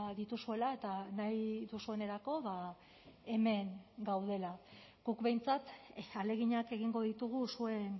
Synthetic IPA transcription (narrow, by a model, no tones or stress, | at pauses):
ðit̪usue̞lae̞t̪anajðusue̞ne̞ɾako̞βa | e̞me̞ŋɡawð̞e̞la | ɡ̥ukβejnt͡sat̪ale̞ɣ̞iɲake̞ɣiŋɡo̞ðit̪uɣusue̞n